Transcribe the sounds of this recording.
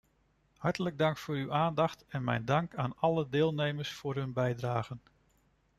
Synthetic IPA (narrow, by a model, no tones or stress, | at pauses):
hɑɹtələɡ̚dɑŋkfʊːɾywʔaːndɑχtɛnmɛ̰jndɑŋkaːnɑlədɪːlˠnejməɹsfʊːɾɦɵnbɛjdraːχən